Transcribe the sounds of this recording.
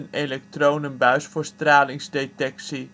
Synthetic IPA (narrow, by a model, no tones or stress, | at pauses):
ənejlɛk̚trownənbœɥsfʊːɹstraːlɪŋzdetɛksi